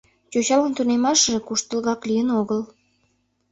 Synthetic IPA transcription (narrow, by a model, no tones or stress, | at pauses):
t͡ɕot͡ɕɑlənt̪unemɑʃəʒĕkuʃt̪əlɣɑklijənoɣəl